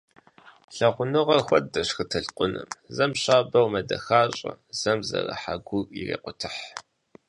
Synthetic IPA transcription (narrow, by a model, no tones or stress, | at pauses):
ɬɐʁʷʊnɨʁɐxʷɐt̚dɐɕxɨtʰɨɬqʷʼʊnɨmzɐmɕaːbɐwmɐdɐxaːɕʼɐ̰z̥ɐmzɐ̰rɐ̰ħaɡʷʊirḛːqʷʊtʰɨħ